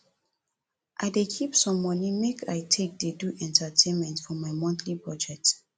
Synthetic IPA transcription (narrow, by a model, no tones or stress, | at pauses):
ʔaɪdekʰipsɔ̃mːɔ̃nimekʰa̰jtʰek̚deduʔɛ̃ntʰətʰẽnmɛ̃ntfɔmajmɔ̃nθʰlipɹɔd͡ʒɛk̚t